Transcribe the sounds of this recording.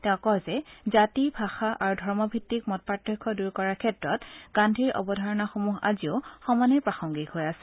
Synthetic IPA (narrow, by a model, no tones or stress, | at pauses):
tɛʊ̃kɔlzɛzatibʱaxaʔaɹudʱɔɹmɔbʱitːikmɔt̚patɹikʰːɔduɹkɔɹaɹkʰɛtɹɔtɡ̥andʱiɹʔɔ̰bɔdʱaɹɔnaxomuɦa̰ziʊxɔmanɛpɹaxɔŋɡikɦojasɛ̥